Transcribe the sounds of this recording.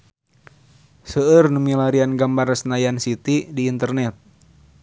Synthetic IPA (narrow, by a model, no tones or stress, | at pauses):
səərnumilaɾianɡambarsnajansit̪idiːnt̪ərnɛt̪̚